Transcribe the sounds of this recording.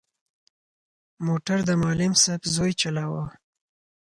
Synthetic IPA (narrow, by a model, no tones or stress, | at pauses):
moʈaɾd̪əmɑlɪmsabzojt͡ʃalawə